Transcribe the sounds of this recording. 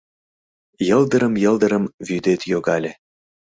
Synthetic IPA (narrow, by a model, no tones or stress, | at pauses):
jɤ̆ld̪əɾə̆mjɤ̆ld̪ə̆ɾə̆mvyd̪et̪joɣɑlʲe